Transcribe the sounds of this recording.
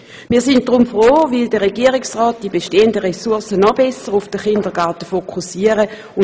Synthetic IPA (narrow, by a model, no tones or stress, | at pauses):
miːɐsɪn̚d̥ʁʊmfʁoːvɪldəʁeɡiəʁɪksʁɔːt̚d̥ibeʃteːəndəʁesuɐsənɔbɛsəʁufd̥əχɪndəɡɑɐtəfokʰusiəʁə | ʊ